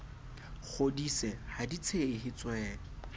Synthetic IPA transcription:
χʰodisɛhadit͡sʰeɪhɪt͡swɛːlɔ

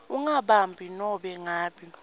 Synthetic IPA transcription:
uŋaɓambʱinɔɓɛŋaːɓi

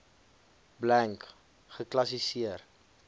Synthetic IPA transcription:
blæŋk | χəklɐs̬isiər

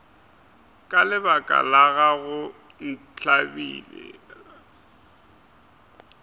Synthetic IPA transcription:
kʼalɪbakʼa̰laɣaɣʊ | n̩ | t͡ɬʰʼabḭːlɛ̰

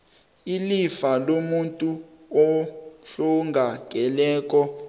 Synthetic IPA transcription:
ilifalomuntʼuɔɬɔŋɡʱakɛlɛːk̬ʼɔ

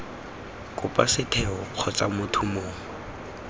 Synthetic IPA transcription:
kʼʊpʼasɪtʰɛɔq͡χʰɔt͡sʼamʊtʰʊmoːŋ̩

